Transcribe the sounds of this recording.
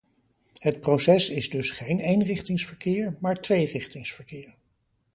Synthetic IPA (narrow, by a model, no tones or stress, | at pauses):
hət̚prowsɛsɪzdɵsχejnejnrɪχtɪŋsfəɹkɪːɹmaːɹtʋejrɪχtɪŋsfəɹkɪːɹ